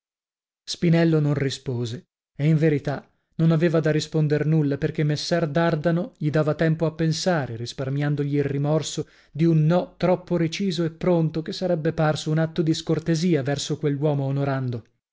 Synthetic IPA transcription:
spinɛlːononrispoːze | eiɱveɾit̪a | nonaveːvad̪arispond̪ernulːaperkemːesːɛrd̪ard̪anoʎid̪aːvat̪ɛmpoapːensaːɾerisparmjand̪oʎiːlrimɔrso | d̪iunːɔt̪ɾɔpːoɾet͡ʃiːzoepːɾont̪okesːaɾɛbːeparsounat̪ːod̪iskort̪eziːavɛrsokwelːwɔːmoːnoɾand̪o

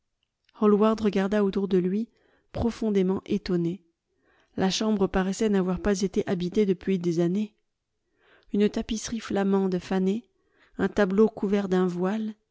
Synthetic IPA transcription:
hɔlwaʁd̪ʁəɡaʁd̪aot̪uʁd̪əlɥi | pχɔfɔ̃d̪emɑ̃ʔet̪ɔne | lʔaʃɑ̃bʁəpaʁɛsɛnavwaʁpazet̪eʔabit̪ed̪əpɥid̪ezane | ynt̪apisχiflamɑ̃d̪əfane | ɛ̃t̪ablokuvɛʁd̪ɛ̃vwal

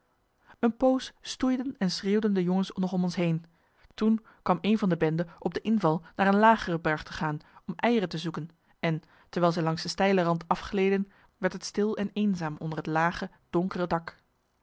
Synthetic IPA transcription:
ənpowsːtujdənɛnsreːwdəndəjɔŋənsnɔχɔmɔnsɦejn | tun | kʋɑmejnvɑndəbɛndəʔɔb̚dəʔɪnvɑlˠnaːɹənlaːχərəbɛɹχtəχaːnɔmʔɛjərətəzukən | ɛn | təɹʋɛːlˠzɛjlɑŋsdəstɛjlərɑntɑfχəlejdən | ʋɛɹtɦətstɪlˠɛnejnzaːmɔndəɹɦətlaːχə | d̥ɔŋkərədɑk

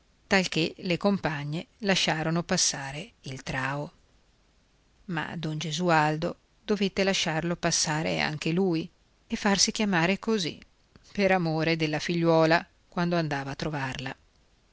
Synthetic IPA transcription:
t̪alk̟elekompaɲːelaʃːaːɾonopasːaːɾeilt̪ɾaːo | ma̰d̪ɔnd͡ʒezuald̪o | d̪ovet̪ːelaʃːarlopasːaːɾḛa̰ŋk̟eluj | efːarsikjamaːɾekozḭ | peɾamoːɾed̪elːafiʎːwɔːla | kwand̪oand̪aːvaːt̪ːɾovarla

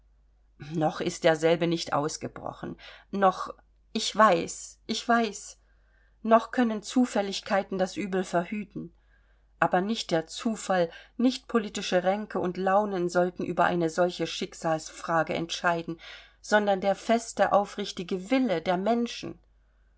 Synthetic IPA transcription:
nɔχɪst̚d̥eːɐzɛlbənɪçtʔa̰ʊsɡ̥əbʁɔ̰χn̩nɔχ | ʔɪçv̥aɪsʔɪçv̥aɪs | nɔχkʰœnənt͡suːfɛlɪçkʰaɪtn̩dasʔyːbl̩fɛɐhyːtn̩ | ʔaːbɐnɪçt̚d̥eːɐt͡suːfalnɪçt̚pʰoliːtɪʃəʁɛŋkʰəʊntlaʊnənzɔltn̩ʔy̰ːbɐʔa̰ɪnəzɔlçəʃɪkz̥aːlsfʁ̥aːɡəʔɛ̰ntʃaɪdn̩ | z̥ɔndɐndeːɐfɛstəʔaʊfʁ̥ɪçtɪɡəvɪlədeːɐmɛnʃn̩

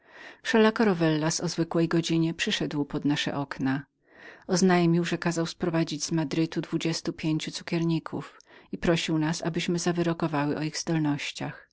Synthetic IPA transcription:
fʂɛlakɔɾɔvɛlːasɔzvɘkwɛjɡɔd͡ʑiɲɛpʂɘʂɛd̪wpɔd̪naʂɛ̰ʔɔkna | ɔznajmʲiwʐɛkazawspɾɔvad͡ʑid͡ʑzmad̪ɾɘt̪ud̪vud͡ʑɛst̪upʲjeɲt͡ɕut̪su̥kʲɛɾɲikʰufipɾɔɕiwnasa̰bɘɕmɘzavɘɾɔkɔvawɘʔɔiɣzd̪ɔlnɔɕt͡ɕax

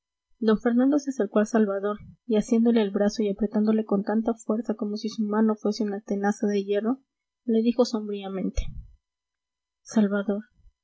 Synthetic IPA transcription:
d̪o̞ɱfe̞ɾnãnd̪oseseɾkwalsalβaðo̞ɾiasje̞nd̪o̞le̞ːlβɾaso̞iapɾe̞t̪and̪o̞le̞ko̞nt̪ant̪afwe̞ɾsako̞mo̞sisumano̞fwe̞se̞unat̪e̞nasaðe̞ʝe̞ro̞ | le̞ðixo̞so̞mbɾiamẽ̞nt̪e̥ | salβaðo̞ɾ

